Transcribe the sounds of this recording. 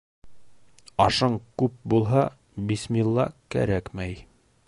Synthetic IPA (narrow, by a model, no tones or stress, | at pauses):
ɑʃɤɴkʉp̚bulˠɦɑ | bismilˠːɑ̰kæ̰ɾækmæj